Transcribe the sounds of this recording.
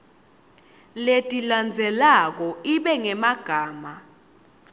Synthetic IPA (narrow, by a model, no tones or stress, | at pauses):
letʼiland͡zʱɛlak̬ɔiɓɛŋɛmaɡ̥ʱaːma